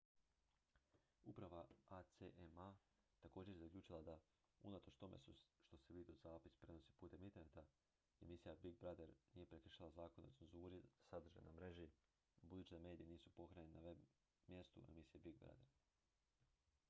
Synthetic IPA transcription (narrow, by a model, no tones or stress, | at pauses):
upɾaʋaat̪seʔema | t̪ako̞ːd͡ʑe̞ɾjzaklʲʎuːt͡ʃilˠad̪a | unat̪o̞t͡ʃt̪o̞mḛsuʃt̪o̞seʋiːd̪iod̪zaːpi̥spɾe̞no̞si̥puːt̪e̞mint̪eɾnet̪a | e̞misijabiɡ̚bɾad̪eɾniːje̞pɾekɾ̩ʃalˠazaːko̞neotsenzuːɾiasad̪r̩ʒa̰jnamɾe̞ʒi | bud̪uːt͡ɕid̪ame̞ːd̪ijeniːsupo̞kɾaɲenenaʋe | mje̞st̪ṵe̞̰misije̞biɡ̚bɾa̰d̪ḛɾ